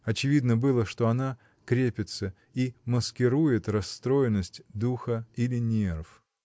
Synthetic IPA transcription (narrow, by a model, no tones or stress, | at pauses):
ɐt͡ɕɪvʲid̪nəbɨlˠəʂt̪o̞ɐna | kɾʲepʲɪt̪sə | iməskʲɪɾujɪt̪ɾɐst̪ɾo̞jɪnːəsʲtʲd̪uxəilʲɪnʲerf